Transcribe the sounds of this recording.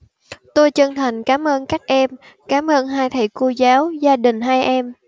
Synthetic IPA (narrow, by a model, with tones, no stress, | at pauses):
t̪o˧jt͡ɕə˧ŋt̪ʰa˨˩jŋ̟kaː˨˦mʔəː˧nkaː˦˥k̚ʔɛ˧m | kaː˨˦mʔəː˧nɦaː˧jt̪ʰə˧˩jko˧zaː˨˦wzaː˧ɗï˨˩ŋ̟ɦaː˧jʔɛ˧m